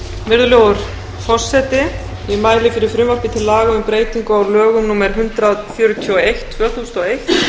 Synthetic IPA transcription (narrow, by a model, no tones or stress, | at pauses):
vɪɾðʏlɛɣʏɾ̥ | fɔr̥sɛt̪ɪ | ɪmaːjlɪfɪɾɪɾ̥fɾʏmapɪt̪ʰɪlːaːɣaʏmpɾeːjt̪iŋkʏawɾlœːɣʏmnuːmɛɾ̥ɦʏnt̪ɾaðfjœːɾʏt̪ʰiɔejht̪ʰːvœːθust̪ɔejht̪